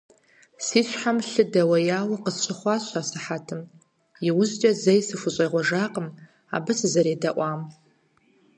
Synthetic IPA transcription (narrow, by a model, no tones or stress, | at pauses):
siːɕʷħamɬɨdɐwɐjaːwɐqəɕʷʰʼɪχʷɑːɕʷasɨħatʰɨm | jiwʊʑd͡ʒʼɐzɐjsɨfʷʊɕʼejʁʷɔʒaːqʼəm | a̰ːbɨszɐɾeːdɐʔʷɑːm